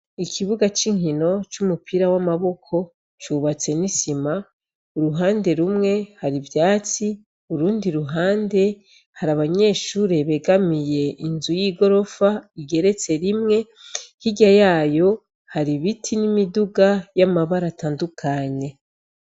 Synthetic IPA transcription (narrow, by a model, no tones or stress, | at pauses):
ikʰiβuɡat͡ʃiŋ̥hino̞t͡ʃumupʰiɾawamaβo̞kʰo̞ | t͡ʃuβat͡se̞nisima | uɾuɦaːnde̞ɾumŋe̞haɾivjaːt͡si | uɾuːndiɾuɦaːnde̞ | haɾaβaɲe̞ːʃuːɾeβe̞ɡamije̞ʔinzujiːɡo̞ɾo̞faiɡe̞ɾe̞t͡se̞ɾimŋe̞ | hiɟajaːjo̞ | haɾiβitʰinimiduɡajamaβaɾataːndukʰaɲe̞